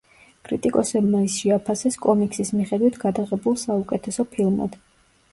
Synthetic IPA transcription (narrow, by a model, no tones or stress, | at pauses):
kʼɾit̪ʼikʼɔsɛbmaisʃɛapʰasɛskʼɔmikʰʼsismiχɛd̪wit̪ʰɡad̪aʁɛbulˠsaukʼɛt̪ʰɛsɔpʰilˠma̰d̪̥